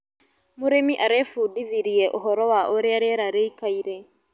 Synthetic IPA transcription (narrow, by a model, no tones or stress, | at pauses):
muɾemiʔaɾefudiðiɾiɛʔoɦɔɾɔwaʔoɾeaɾeɾaɾeikaiɾe